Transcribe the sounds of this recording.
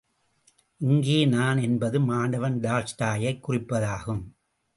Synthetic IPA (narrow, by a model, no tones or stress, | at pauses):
ʔɪŋɡeːnaːnɛnbɐðɯmaːɳɖɐʋɐnɖ̪aːlsʈaːjɐɪkːʊrɪpːɐðaːɣɯm